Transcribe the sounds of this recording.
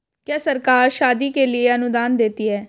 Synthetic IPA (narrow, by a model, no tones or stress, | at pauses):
kɛːsəɾkaːɾʃaːd̪iːkeːlɪeːənʊd̪aːnd̪eːt̪iːɛː